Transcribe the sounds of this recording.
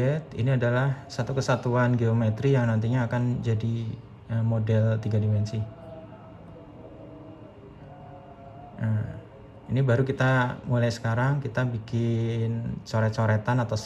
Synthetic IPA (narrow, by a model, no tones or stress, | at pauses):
ɛt̪̚ḭniadalahsat̪ukəsat̪uanɡiomet̪ɾijaŋnant̪̬iɲaːkand͡ʒadi | əmodɛlt̪iɡadimɛnsi | ə | inibaɾukit̪amulajsə̥kaɾaŋkit̪abikɪnt͡ʃoɾɛt͡ʃoɾɛt̪anat̪a